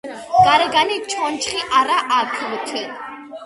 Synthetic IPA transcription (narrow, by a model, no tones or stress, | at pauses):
ɡ̥ʼaɾɛɡanit͡ʃʰɔnt͡ʃʰχiʔaɾaʔakʰlut̪ʰi